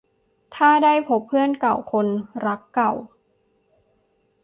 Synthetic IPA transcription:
t̪ʰaː˥˩daː˥˩jpʰo˦˥pʰːɯ˥˩ənka˨˩wkʰo˧nɾa˦˥kːa˨˩w

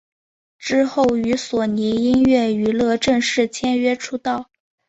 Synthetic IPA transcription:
ʈ͡ʂɻ̩˥xo˥˩ʊy˧˥swɔ˨˩ni˧˥i˥ŋɥɛ˥˩y˧˥lɤ˥˧ʈ͡ʂɤ˥˧ŋʂɻ̩˥˩t͡ɕʰjɛ˥nɥɛ˥ʈ͡ʂʰu˥t̪ɑ˥˩ʊ

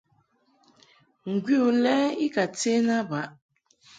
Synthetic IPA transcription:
ŋ̩˨ɡʷi˦o˨lɛː˦i˦ka˨te˦na˦ba˦

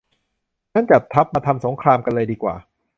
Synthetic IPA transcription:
na˦˥˩nt͡ɕa˨˩t̪ʰːa˦˥p̚maː˧t̪ʰa˧mso˩˦ŋkʰɾaː˧mka˧nlɤː˧jdiː˧kwa̰ː˨˩

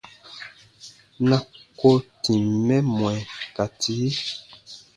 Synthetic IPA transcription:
na˨ko˦ti˨mmɛ˦mwɛ˨ka˨ti˦

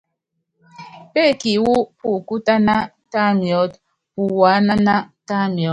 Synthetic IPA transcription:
pe˦˨ki˨wu˦pu˨ku˦ta˦na˦ | ta˦mjɔ˦t | pu˨wa˨˦na˦na˦ta˦m˨ɔ˨˦

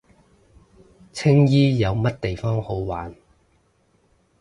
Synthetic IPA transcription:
t͡sʰɪ˥ŋjiː˥jɐ˨˧wmɐ˥t̚t̪e˨jfɔː˥ŋho˨˥wwa̰ː˨˥n

